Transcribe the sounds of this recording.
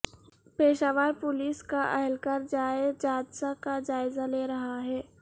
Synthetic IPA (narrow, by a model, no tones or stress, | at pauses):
peːʃaːʋaːɾpʊliːskaʔɛɦɛlkaɾd͡ʒaːɪd͡ʒaːd̪sakad͡ʒaːɪzaleːɾɐɦaɦɛː